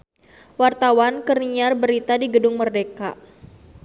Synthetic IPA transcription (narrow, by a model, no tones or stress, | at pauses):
wart̪awankərniarbəɾit̪adiɡədʊŋmərdeka